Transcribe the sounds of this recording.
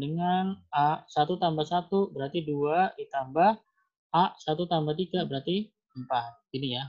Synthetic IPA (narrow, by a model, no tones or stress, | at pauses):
dəŋanaʔsat̪ut̪ambasat̪ubəɾart̪iduadit̪ambahː | ʔsat̪ut̪ambaht̪iɡabəɾart̪i | əmpat̪̚inija